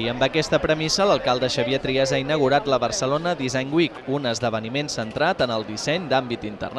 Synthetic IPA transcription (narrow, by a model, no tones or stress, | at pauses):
iəmbəkɛst̪əpɾəmisələlˠkalˠd̪əʃəβiət̪ɾiəzainəɣ̞uɾat̪ləβərsəlonəðizɛɲɡwikunəzðəβ̞ənimensənt̪ɾat̪ənəlˠd̪isɛɲd̪ambit̪int̪ə̰rn